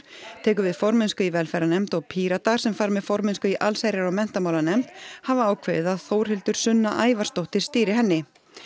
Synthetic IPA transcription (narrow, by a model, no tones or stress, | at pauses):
t̪ʰɛːk̬ʏvɪðfɔɾmɪnskʏivɛlfɛɾanɛmt̪ɔɣpʰiːɾat̪aɾ̥sɛmfaɾmɛðfɔɾmɪnskʏiʔalsajɾjaɾawmɛn̥t̪amaːwlanɛm̥t̪havaaːwkʰveːðɪðaðθowɾ̥hɪlt̪ʏɾ̥sʏnːaʔaːjvaɾst̪owht̪ɪɾ̥st̪iːɾɪɦɛnːɪ